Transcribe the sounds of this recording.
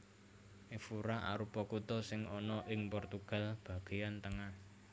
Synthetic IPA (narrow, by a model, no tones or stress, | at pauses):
ʔefuɾaʔa̰ɾupɔkut̪ɔsɪŋɔnɔʔɪŋpɔrt̪uɡ̥a̤lb̥ä̤ɡ̥e̤jant̪əŋah